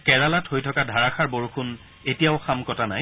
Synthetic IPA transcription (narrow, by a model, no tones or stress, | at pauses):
kɛɹalathojtʰɔkadʱaɹaxʰaɹboɹxun | etijaʊxamkɔtanaj